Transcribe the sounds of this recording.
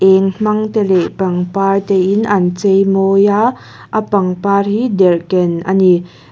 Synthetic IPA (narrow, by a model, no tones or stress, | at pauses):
ʔɛŋm̥ɐŋt̪elɛʔpɐŋpaːrt̪ɛʔinʔant͡sejmɔjaː | ʔəpɐŋpaːrhidɛrkɛnʔa̰ni